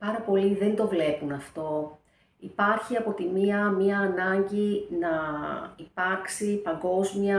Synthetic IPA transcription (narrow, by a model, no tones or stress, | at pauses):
pɐɾɐpo̞liðe̞nd̪o̞vle̞punɐft̪o̞ | ipɐɾçiɐpo̞t̪imiɐmɐːnɐɲɟinɐipɐɾksipɐŋɡo̞zmiɐ